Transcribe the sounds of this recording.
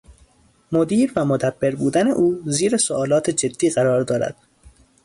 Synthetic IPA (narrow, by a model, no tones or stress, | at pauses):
mo̞d̪iːɾvæmod̪æbːe̞ɾbuːd̪ænḛʔuːziːɾesoɒːlɒːt̪ʰe̞d͡ʒe̞d̪ːiːɣæɾɒːɾd̪ɒːɾæ̰d̪̥